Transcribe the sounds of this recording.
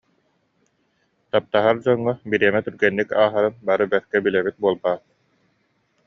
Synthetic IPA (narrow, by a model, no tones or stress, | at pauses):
t̪ap̚t̪aɦaɾd͡ʑɔŋːɔbiɾiɛmɛt̪yɾɡɛnːikaːɦaɾɯnbaɾɯbɛɾkɛbilɛbit̪̚buɔlˠbaːt̪̚